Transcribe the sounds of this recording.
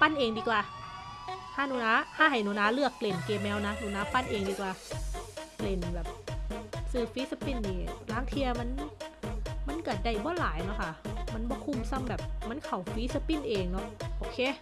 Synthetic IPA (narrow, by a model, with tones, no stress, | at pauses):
pa˧˥˨nʔeː˧ŋdiː˧kwaː˧ | haː˧˥˨nu˧˨naː˧˥haː˧˥˨ha˨˩jnu˧˨naː˧˥lɯ˧˩əkːle˨˩nkeː˧mːɛː˧˥˨wna˧˦˥nuː˧˩˨naː˧˥pa˧˥˨nʔeː˨ŋdiː˧˩kwaː˧ | kle˨˩nbɛː˨˩p̚ | sɯː˧˩fiː˧˦˥sa˧pi˧˩˨nːiː˧˩laː˧˥˨ŋt̪ʰi˧ɐma˧˥˨n | ma˧˥˨nka˧˩da˧˩jbɔː˧˥˨laː˨˦jnɔ˧˥kʰa˧˩ma˧˥˨nbɔː˧˦kʰu˧˩˨msa˧˥˨mbɛː˨˩p̚ma˧˥˨nkʰa˨˩wfiː˧˦˥sa˧pi˧˥˨nʔeː˨ŋnɔ˧˥ʔʔoː˧˩kʰeː˧˥˨